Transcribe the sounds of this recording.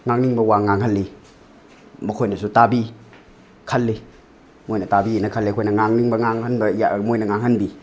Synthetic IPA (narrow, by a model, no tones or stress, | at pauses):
ŋaŋniŋbɐwaŋaŋɦɐlːi | mɐkʰojnɐsutabi | kʰɐlːi | mojnɐtabinɐkʰɐlːekʰojnɐŋaŋniŋbɐŋaŋhɐnbɐjamojnɐŋaŋhɐnbi